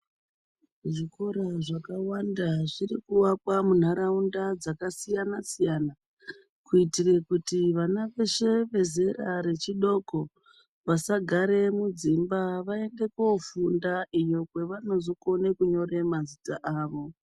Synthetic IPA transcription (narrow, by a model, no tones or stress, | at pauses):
ʐiko̞ɾaʐakawandaʐirikuwakwamun̤aɾaundad͡zakasijanasijana | kuitire̞kutiʋanaʋe̞ʃe̞ʋe̞ze̞raɾe̞t͡ʃiɗo̞ko̞ | ʋasaɡʱaɾe̞mud͡zimbaʋae̞nde̞kofundaijo̞kwe̞ʋano̞zoko̞ne̞kuɲo̞re̞mazitaʔaːʋo̞